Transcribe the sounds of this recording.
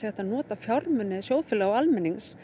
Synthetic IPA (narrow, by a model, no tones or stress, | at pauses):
ɛht̪aðnɔːt̪afjɔɾmʏnɛðsjowðfɪlɛɣalmɛnːiŋs